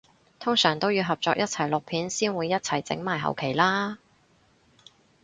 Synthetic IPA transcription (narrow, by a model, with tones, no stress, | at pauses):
t̪ʰʊ˥ŋsœː˨˩ŋt̪o˥wjiː˧wɦɐ˨p̚t͡sɔː˧k̚jʔɐ˥t̚t͡sʰɐ˨˩jlʊ˨k̚pʰiː˨˥nsiː˥nwuː˨˧jːɐ˥t̚t͡sʰɐ˨˩jt͡sɪ̰˨˥ŋmaː˨˩jɦɐ̰˨wkʰe˨˩jlaː˥